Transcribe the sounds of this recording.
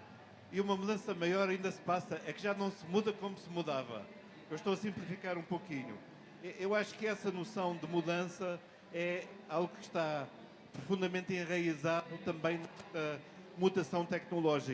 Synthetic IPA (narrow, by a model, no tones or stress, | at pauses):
iumɐmuðɐ̃sɐmɐjɔɾɐĩnd̪ɐsɨ̥pasɐʔɛkʒanɐ̃w̃sɨmuðɐkomusɨmuðavɐ̰ | ewʃt̪oɐsĩmplˠifikaɾũpokiɲṵ | ɛʔewaʃu̥kɨɛsɐnusɐ̃w̃d̪ɨmuðɐ̃sɐ | ɛ | alˠɣukɨʃt̪a | pɾufũnd̪ɐmẽnt̪ẽʁɐizaðut̪ɐ̃mbɐ̃j̃nɛʃt̪ɐ | mut̪ɐsɐ̃w̃t̪ɛknulˠɔʒik